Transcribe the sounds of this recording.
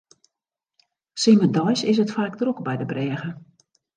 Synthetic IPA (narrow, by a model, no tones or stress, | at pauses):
sɪmədɔjsɪs̬ətfaːkdrukbɛjdəbrɛːɣə